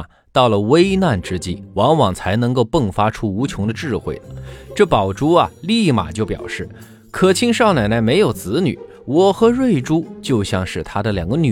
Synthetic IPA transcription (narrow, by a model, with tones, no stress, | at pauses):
t̪ɑ˥˩ʊlə˩we˥ɪna˥˩nʈ͡ʂɻ̩˥t͡ɕi˥˩wɑ˧˥ŋwɑ˨˩ŋt͡sʰa˧˥ɪnɤ˧˥ŋko˥˧ʊpə˥˩ŋfa˥ʈ͡ʂʰu˥u˧˥t͡ɕʰjʊ˧˥ŋd̪ə˧ʈ͡ʂɻ̩˥˧xwe˥˩ɪlə˩ʈ͡ʂɤ˥˩pɑ˨˩ʊʈ͡ʂu˥ɐ˨li˥˩ma̰˨˩t͡ɕjo˥˩ʊpjɑ̰˨˩ʊʂɻ̩˥˩ | kʰɤ˨˩t͡ɕʰi˥ŋʂɑ˥˩na˨˩ɪna˧˥ɪme˧˥ɪjo˨˩ʊt͡sɹ̩˧˥ny̰˨˩˦ | wɔ˨˩xɤ˧˥ɻwe˥˩ɪʈ͡ʂu˥t͡ɕjo˥˧ʊɕjɑ˥˧ŋʂɻ̩˥˩t̪ʰa˥d̪ə˨ljɑ˨˩ŋɡə˧ny˨˩